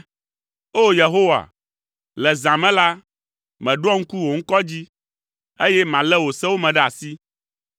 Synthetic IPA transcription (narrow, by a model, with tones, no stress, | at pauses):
o˦je˨ɦo˦wa̰˨ | lɛ˨zã˨mɛ̃˦la˦ | mɛ̃˨ɖɔ˦ŋ̩˦ku˦wo˨ŋ̩˦kɔ˦d͡ʑi˦ | e˦jɛ˦mã˨lɛ˦wo˨sɛ˦wo˦mɛ̃˨ɖɛ˦a˨si˦